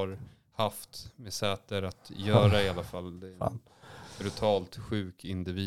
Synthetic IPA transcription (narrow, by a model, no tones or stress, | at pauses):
aɾ | haft̪mɛsɛːt̪əɾat̪jœːɾaɪalːafalːd̪ɛ | bɾɵt̪ʰɑːlt̪ɧʉ̟ːkɪnd̪ɪviː